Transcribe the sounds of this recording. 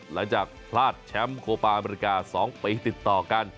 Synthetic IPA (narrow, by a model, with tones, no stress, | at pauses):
la˩˦ŋt͡ɕaː˨˩k̚pʰlaː˥˩t̪̚t͡ɕʰɛ˦˥mkʰoː˧paː˧ʔa˧meː˧ɾi˧˥kaː˧sɔː˩˦ŋpiː˧t̪i˨˩t̪ːɔː˨˩ka˧n